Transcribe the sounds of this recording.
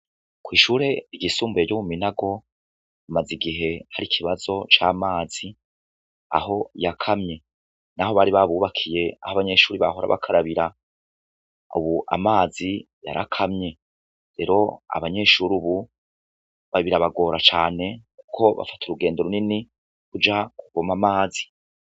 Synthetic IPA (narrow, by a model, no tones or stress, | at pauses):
kwiːʃuːɾe̞iɟisuːmbuejomuminaɡo̞ | amaziɡiɦe̞haɾikʰiβazo̞t͡ʃaːmaːzi | a̰ɦo̞jakʰamɲe̞ | naɦo̞βaɾiβaβuːβakʰije̞a̰haβaɲe̞ʃuːɾiβa̰ho̞ɾa̰βa̰kʰaɾaβiɾa | ṵβuʔa̰maːzi | ja̰ɾʔa̰kʰamɲe̞ | ɾe̞ɾo̞a̰βaɲe̞ʃuːɾuβu | βaβiɾaβaɡo̞ːɾat͡ʃaːne̞ku̥kʰo̞βa̰fatʰuɾuɡe̞ːndeɾunini | kud͡ʒakuɡ̥omamaːzi̥